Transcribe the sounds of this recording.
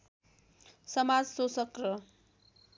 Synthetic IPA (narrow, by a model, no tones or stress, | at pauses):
sʌmad͡zsosʌkrʌ